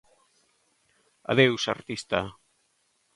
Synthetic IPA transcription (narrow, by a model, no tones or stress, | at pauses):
a̰ðewsa̰ɾt̪ist̪a